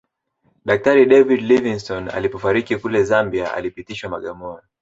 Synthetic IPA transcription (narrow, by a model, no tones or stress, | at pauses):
ɗak̚taɾiɗɛvidliviŋstɔna̰lipɔfaɾikikulɛzambiaa̰lipitiʃwamaɠamɔna